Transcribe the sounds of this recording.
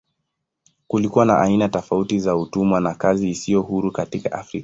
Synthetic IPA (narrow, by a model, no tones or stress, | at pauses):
kulikuwana̰ʔainatɔfautizautumwanakaziːsijɔhuɾukatikaʔa̰fɾikḁ